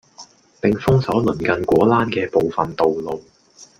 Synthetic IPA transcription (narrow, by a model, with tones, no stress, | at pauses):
pɪ˨ŋfʊ˥ŋsɔː˨˥lɵ˨˩nkɐ˨nkʷwɔː˨˥laː˥nkɛː˧po˨wfɐ˨nt̪o˨wlo˨w